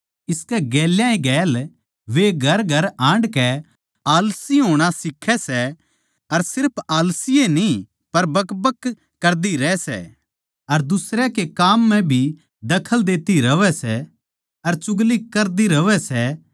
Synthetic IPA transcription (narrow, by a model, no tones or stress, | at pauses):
ɪskɛɡɛːljãĩɡɛːl | ʋeɡʱɐɾɡʱɐɾãːɳɖkɛ | aːlsiɦoːɽ̃asɪkʰːɛsɛ | ɐɾsɪɾpʰaːlsijeni | pɐɾbɐkbəkː | ɐɾd̪iɾɛːsɛ̰ː | ɐɾd̪ʊsɾɛkekaːmːɛ̃bʱi | d̪ɐkʰəld̪eːt̪iɾɐʋɛsɛ | ɐɾt͡ʃʊɡlikɐɾd̪iɾɐʋɛsɛ